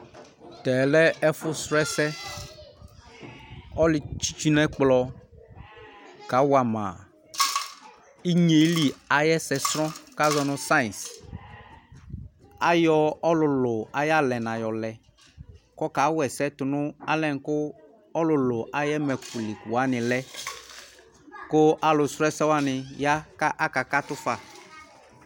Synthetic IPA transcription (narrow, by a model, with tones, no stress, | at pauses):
t̪ɛ˨lɛ˦ɛ˦fʊ˦sɾɛ˦sɛ˦ | ɔ˦lɪ˦t͡ʃi̥˦t͡ʃi˦nɛ˦k͡plɔ˧ | ka˨˦wa˨ma̰˨ | i˦ɲe˨˦li˦a˨jɛ˦sɛ˧sɾɔ̃˦ka˦zɔ˧nʊ̃˦sa˦i˨ns | a˦jɔ˦ɔ˦lʊ˨lʊ˨a˨˦ja˦˨lɛ˨na˨jɔ˨lɛ˨ | kɔ˦ka˨˦wɛ˨sɛ˦tʊ˨nʊ˦a˦lɛ̃˦˨n˨kʊ˦ | ɔ˦lʊ˨lʊ˨ʔa˨jɛ˦mɛ˨ku˨li˨kwa˨˦nɪ˨lɛ˦ | kʊ˦a˨lʊ˨sɾɔ˦ɛ˦sɛ˦wa˦nɪ˨ja˦ka˦ʔa˦ka˨ka˦tʊ˦fa˨